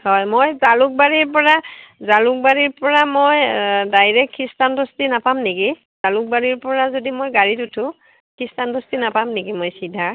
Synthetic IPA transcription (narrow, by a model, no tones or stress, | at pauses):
hɔjmojzalʊk̚baɹiɹpɔɹazalʊk̚baɹiɹpɔɹamojdajɹɛkʰːistandɔstinapamneki | z̥alʊk̚baɹiɹpɔɹazodimojɡaɹitʊtʰʊ̃ | kʰɹistandɔstinapamnekimojsidʱːa